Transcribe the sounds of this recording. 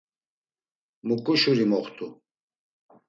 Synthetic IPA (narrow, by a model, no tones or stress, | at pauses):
mukuɕuɾimɔχt̪u